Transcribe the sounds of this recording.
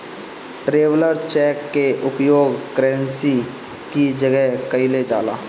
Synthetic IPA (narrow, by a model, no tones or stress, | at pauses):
ʈɾeːwləɾt͡ʃɛːkːeʔʊpjoːɡkɾɛ̃nsi | kid͡ʒəɡɛɦkəiled͡ʒaːla̰ː